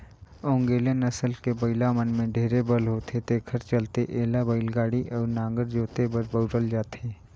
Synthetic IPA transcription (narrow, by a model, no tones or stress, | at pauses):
õːŋɡeːlenɐsəlkebəɪlamənmẽɖʱeːɾebəlɦoːt̪ʰet̪eːkʰəɾt͡ʃəlt̪eʔeːlabəɪlɡaːɽiʔɔːɾnãːŋɡəɾd͡ʒoːt̪ebəɾbəʊɾəld͡ʒaːt̪eː